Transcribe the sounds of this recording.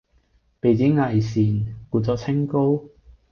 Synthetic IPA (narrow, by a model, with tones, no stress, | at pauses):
pe˨jt͡siː˨˥ŋɐ˨jsiː˨˩nkuː˨˧t͡sɔː˨˧˥t͡sʰɪ˥ŋko˥w